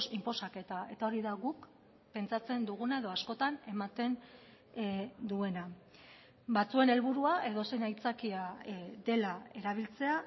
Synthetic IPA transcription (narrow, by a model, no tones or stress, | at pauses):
simpo̞sake̞t̪ae̞t̪ao̞ɾiðaɣuk | pe̞nt͡sat͡se̞nd̪uɣunae̞ðo̞asko̞t̪ane̞mat̪e̞n | d̪ue̞na | bat͡sue̞ne̞lβuɾuaʔe̞ðo̞se̞jnajt͡sakiaðe̞lae̞ɾaβ̞ilt͡se̞a